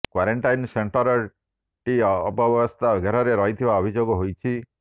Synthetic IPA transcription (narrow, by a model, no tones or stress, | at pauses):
kwaɾeɳʈajnseɳʈɔɾɔ | ʈiːpɔbjbɔst̪ʰaɡʱeɾɔɾeɾɔɦit̪ʰibaɔbʱid͡ʒoɡɔɦojt͡ʃʰi